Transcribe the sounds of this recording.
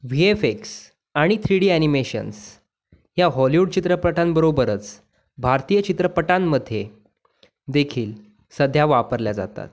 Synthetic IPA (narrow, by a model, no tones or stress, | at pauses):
ʋiefeks | aɽ̃it̪ʰɾiɽiːænimeɕə̰ns | jaɦɔliʋuɽt͡ɕit̪ɾəpəʈambəɾobəɾət͡s | bʱaɾt̪ijət͡ɕit̪ɾəpəʈamːəd̪ʱːje | d̪ekʰiːl | səd̪ʱjaʋapəɾljad͡za̰t̪a̰t̪̚